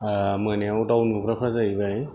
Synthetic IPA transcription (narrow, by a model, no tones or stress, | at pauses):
amɯneawdawnbukɾapʰazajbaj